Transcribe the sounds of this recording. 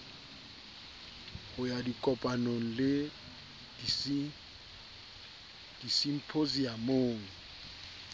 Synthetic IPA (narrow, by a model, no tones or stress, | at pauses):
hʊjadikʼɔpʼanoŋ̩lɪ | d̥isim̩pʰozijamoːŋ̩